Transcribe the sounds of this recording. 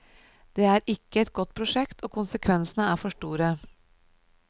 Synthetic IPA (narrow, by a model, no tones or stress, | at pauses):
d̪̥eːæːɾʔɪkːəɛt̪̚ɡɔt̪ːpʰɾʊʂɛkt̪ʰoːkʰʊnsəkʰʋɛnsənəæːɾfɔʂʈuːɾə